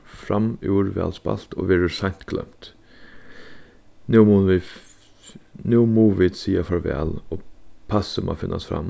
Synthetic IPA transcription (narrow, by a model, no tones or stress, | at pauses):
fɾamuːɾvɛ̰ːlspa̰l̥t̪oʋɛːɹəsajɲ̥t̪kʰlœ̰m̥t̪ | nu | nuːmuːʋiːd̪siːafɔɹvɛ̰ːlopʰasəmɔ̰fɪnːʔa̰st̪fɾa̰mː